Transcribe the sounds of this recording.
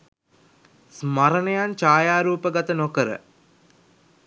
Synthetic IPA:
smaɾənejant͡ʃaːjaːɾuːpəɡat̪ənokəɾə̰

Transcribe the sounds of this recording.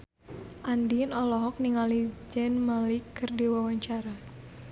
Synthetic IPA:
ʔandinɔlɔɦɔk̚niŋalid͡ʒɛnmalikːərdiwawaɲt͡ʃaɾa

